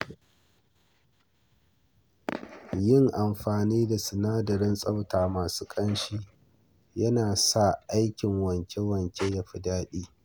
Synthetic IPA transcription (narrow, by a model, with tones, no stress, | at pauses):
jɪ˦˨ŋʔa˨mɸaː˨niː˦da˨sʊ˨naː˦dɐ˨ɾɪ˦nsʼɐ˦wtaː˨maː˨su̥ː˦kʼɐ˦nʃiː˦ | jɐ˦naː˨sa˦˨ʔa˦jkʲɪ˨ŋwɐ˨ŋkʲe˦wɐ˨ŋkʲe˦jɐ˨ɸɪ˨daː˦ɗiː˦